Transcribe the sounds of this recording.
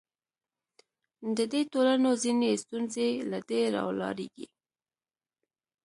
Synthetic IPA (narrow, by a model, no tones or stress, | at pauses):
d̪əd̪et̪olanozinest̪unzelad̪eɾɑ̰wlɑ̰ɾḛɡḭ